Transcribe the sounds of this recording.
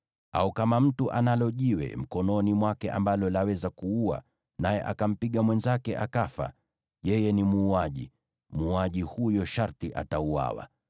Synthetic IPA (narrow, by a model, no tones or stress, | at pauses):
a̰ukamam̩tuʔanalɔʄiwɛ̰m̩kɔnɔnimwakɛʔa̰mbalɔlawɛzakuua̰ | najɛ̰ʔakam̩piɠamwɛnzakɛʔakafa̰ | ʄɛjɛnimuːaʄḭ | muːaʄihujɔʃaɾtiʔa̰taua̰wa̰